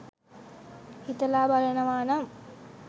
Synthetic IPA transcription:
hit̪ɐlaːbaɾenɐʋaːnɐm

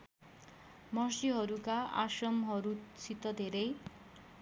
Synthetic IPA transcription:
mʌsiɦʌɾukaa̰sʌmɦʌɾut͡sʰit̪ʌd̪ʱeɾʌj

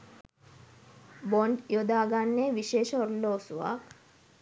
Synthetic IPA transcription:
boɳɖjod̪aːɡanːeːʋiʃeːʃəoɾuloːsuʋa̰k

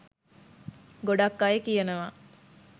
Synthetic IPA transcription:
ɡoɖɐkːajekijenɐʋaː

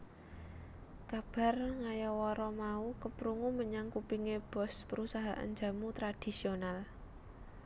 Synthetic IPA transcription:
kab̥a̤rŋajɔwɔɾɔmaukəpɾuŋuməɲaŋkupiŋeb̥ɔ̤spəɾusaɦaʔa̰nd͡ʒa̤mut̪ɾad̥i̤sional

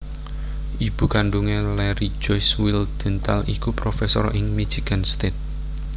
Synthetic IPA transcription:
ʔib̥ṳkaɳɖuŋelɛɾid͡ʒɔjswild̪̥ɛ̤nt̪alʔikupɾofɛsɔ̰ɾʔɪŋmi̥d͡ʒ̥iɡ̥anst̪et̪̚

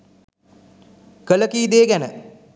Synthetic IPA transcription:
kələkiːd̪eːɡænə

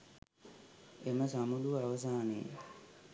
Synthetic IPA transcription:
eməsamuluaʋɐs̬aːnḛ

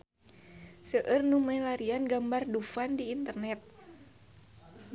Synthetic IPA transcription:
səʔərnumajlaɾianɡambardufandiːnt̪ərnɛt̪̚

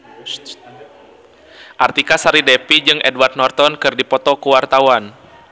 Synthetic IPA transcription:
ʔart̪ikasaɾidɛpid͡ʒɨŋʔɛdwart̪̚nɔrt̪ɔnkɨrdipɔt̪ɔkuwart̪awan

